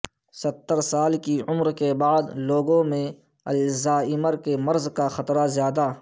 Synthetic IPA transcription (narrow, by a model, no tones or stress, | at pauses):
sɐt̪ːəɾsaːlkiʊmɾkebaːd̪loːɡõmẽ | ɐlzaːɪməɾkemɐɾzkaxɐt̪ɾazjaːd̪aː